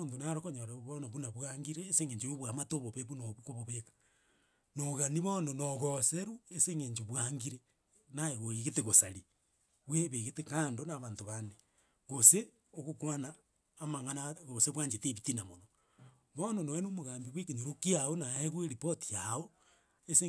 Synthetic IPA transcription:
ontonaɾokoɲoɾaβonoβunaβwaŋɡiɾeːseŋeɲd͡ʒejoβwamatoβoβeβunoβukoβoβekḁ | noɣaniβononoɣoseɾueseːŋeːɲd͡ʒeβwaŋɡiɾe | naeɣoiɣeteɣosaɾi | βweβeɣetekaːndonaβaːntoβane | ɣose | oɣokwanaː | maŋanaɣoseβwaːɲd͡ʒeteβitinamono | βononoenomoɣaːmbiβwekeɲoɾokiaonaeɣweɾipotiao | ese

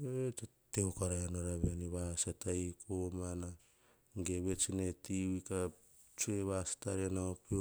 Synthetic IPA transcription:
ete | teokaɾaanoɾaβeniβasatajkomana | ɡeβet͡ʃinetiwika | t͡ʃueβasḁtaɾeanaopio

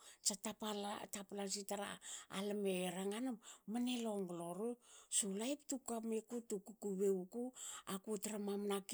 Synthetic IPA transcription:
t͡ʃatapalatapalasitaɾa̰ːlameɾaŋanamaneloŋɡloɾusulajptukamekutukukuβeukuakutaɾamamnak

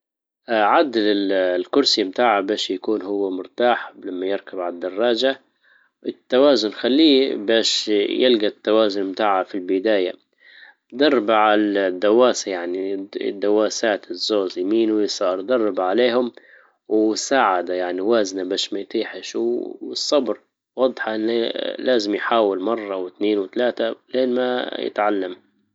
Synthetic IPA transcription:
ʕad̪lɪlkʊɾˤsimt̪aːʕabaːʃjakuːnhʊwːamʊɾt̪aːħlamːajɪɾkabʕalad̪ːɑrˤːɑːd͡ʒa | ʔɪt̪ːawaːzʊnxalːiːbaːʃjɪlɡat̪ːawaːzʊnmt̪aːʕafilbɪd̪aːja̰ | d̪ɑrˤːbaʕad̪ːawaːsajaʕnḭd̪ːawaːsaːt̪ɪzːoːzjmiːnuwjsˤɑːɾˤd̪ɑrˤːɑbaʕaleːhʊm | wsaːʕad̪ajaʕniwaːznabaːʃmajt̪ˤiːħɪʃwsˤːɑbɾ | wɑd̪ˤħɑʔɪnalaːzɪmjħaːwɪlmɑrˤːɑwɪt̪neːnwɪt̪alaːt̪aleːnma̰jɪ̰t̪ʕalːam

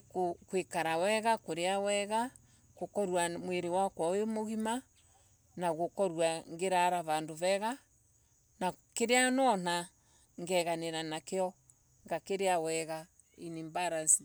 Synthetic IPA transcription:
kokwekaɾawɛɣakoɾeawɛɣa | kokɔɾwamweɾewakwaemoɣima | naɣokɔɾwaŋɡeɾaɾaβandoβɛɣa | nakeɾeanɔn̥a | ŋɡɛɣaneɾanakeɔ | ŋɡakeɾeawɛɣa | inimbaɾasi

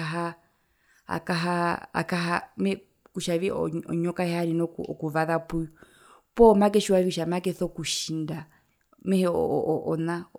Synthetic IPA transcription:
aɦa | a̰kaɦaa̰kaɦamɛ | kuʃaviɔ̰ɔɲɔkahɛaɾinɔkuɔ̰kuβaðapuju | pɔmakɛʃuwavikuʃamakɛθɔkuʃinda | mɛhɛɔ̰ʔɔna

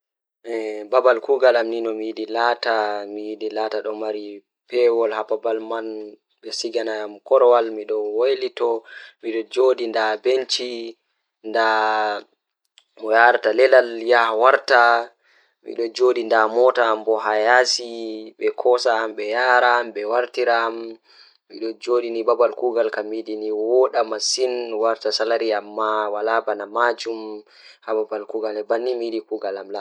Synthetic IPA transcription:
ʔɛbabalkuɡalamninɔmijiɗilatamijiɗilaːtaɗɔmaɾi | pɛwɔlhapabalman | ɓɛsiɡanajamkɔɾwalmiɗɔwojlitɔmiɗɔd͡ʒoːɗindabent͡ʃi | nda | mɔjaɾtalɛlaljahwaɾta | mḭɗɔd͡ʒoɗindamɔtaːmbɔɦajasiɓɛkʰɔsaːmɓɛjaɾamɓɛwaɾtiɾam | mḭɗɔd͡ʒoɗinibabalkuɡalkamiɗiniwɔɗamasinwaɾtasalaɾiamːawalabanamad͡ʒum | hababalkuɡalɛbanːimiɗikuɡalamla

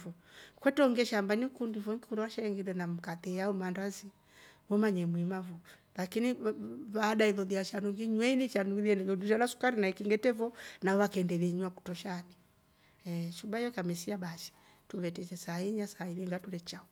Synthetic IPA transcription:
ɔ | kwɛtɔŋɡɛʃambanikundivɔŋkikuɾawaʃaɛŋɡilɛnam̩katɛaumandazi | mɔmaɲɛmwimavu | lakiniβaːɗailɔðiaʃanuŋɡiɲwɛinit͡ʃanuɡiðiɛnɛɡɔnduʃalasu̥kaɾinaikiŋɡɛtɛvɔnawakɛndɛβiɲwaku̥tɔʃani | ɛʃubajɔkamɛsiabaʃɛ̥ | tuβɛtɛt͡ʃɛsaiɲasaːiliŋɡatuɾɛt͡ʃaɔ

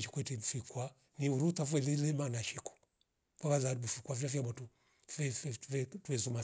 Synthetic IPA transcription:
t͡ʃi̥kwɛtifikwa | niuɾutafwɛlilɛmanaʃiku̥ | pakazabufikwaviɾafiamɔtu | fɛfɛvɛtwɛzuma

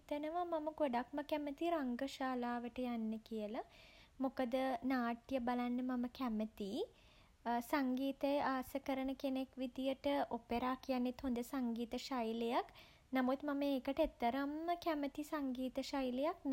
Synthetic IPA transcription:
t̪ənəʋamaməɡoɖakməkæmət̪iɾaŋɡəʃaːlaːʋəʈəjanːəkijəlamukəd̪ənaːʈjəbalanːəmaməkæmət̪i | saŋɡiːt̪ejʔaːsəkəɾənəkenekʋid̪ijəʈəʔopeɾaːkijanːet̪hond̪əsaŋɡiːt̪əʃajlejak | namut̪mɐməeːkəʈet̪ːəɾəmːəkæmət̪isaŋɡiːt̪əʃajlejak̚n

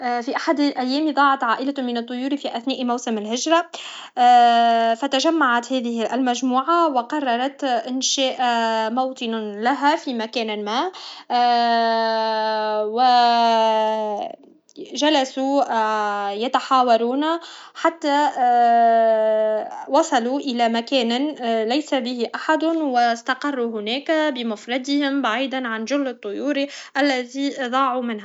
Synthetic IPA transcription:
ʔfiʔaħad̪lʔæjːɛːmiðˤɑːʕɑt̪ʕaːʔɪlamɪnɨt̪ˤːʊjuːɾifiʔæθnɛːʔmawsɪmɪlhɪʒɾˤɑ | fat̪aʒamːaʕat̪hɛːðɪhɪʔlmæʒmuːʕawɪqɑrˤːɑɾˤɑt̪ʔɪnʃɛːʔmawt̪ˤɨnlaɦafiːmakæːnamæː | wɪ | ʒalasu | jat̪aħɑːwɑɾˤuːna | ħat̪ːa | wɑsˤɑluʔɪlamakæːnalajsabɪhɪʔaħad̪wɪst̪ɑqɑrˤːuɦʊnæːkbɪmʊfɾˤɑd̪ɪhɪmbaʕiːd̪anʕanʒʊlːɨt̪ˤːʊjuːɾiʔalːaðid̪ˤɑːʕumɪnha

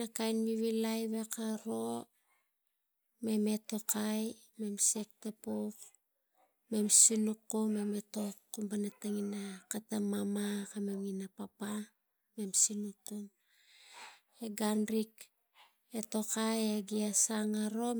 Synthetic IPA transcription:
nakajnβiβilajβe̞kaɾo̞ | me̞me̞to̞kaj | me̞mse̞k̚tapok | me̞msinukːume̞me̞to̞kːumbanataŋinakatamamakamemŋinapapa | me̞msinukːum | eɡanɾik | eto̞kajeɡiasaŋaɾo̞

